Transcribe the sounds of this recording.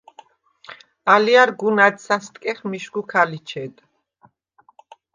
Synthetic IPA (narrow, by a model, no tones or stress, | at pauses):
aliaɾɡunad̪sast̪ʼkʼɛχmiʃɡukʰalit͡ʃʰɛd̪